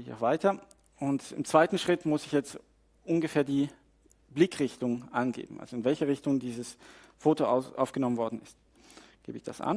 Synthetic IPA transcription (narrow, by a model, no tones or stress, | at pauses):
ɪça̰ʊxv̥aɪtɐ | ʊntɪ̰mt͡sv̥aɪtn̩ʃʁ̥ɪtmʊsɪçjɛt͡st | ʔʊnɡəfeːɐdiː | blɪkʁ̥ɪçtʊŋʔanɡḛːbm̩ʔa̰lzoɪnvɛlçəʁ̞ɪçtʊŋdiːzəsfoːtoʊʔa̰ʊfɡ̥ənɔmənvɔɐdn̩ɪst | ɡ̥ḛːbəɪçd̥a̰sʔa̰n